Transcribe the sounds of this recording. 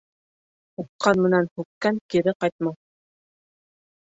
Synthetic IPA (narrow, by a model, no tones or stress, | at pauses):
uqːɑnmɘ̆nænhʉkːæŋkiɾɘqɑjt̪̚mɑ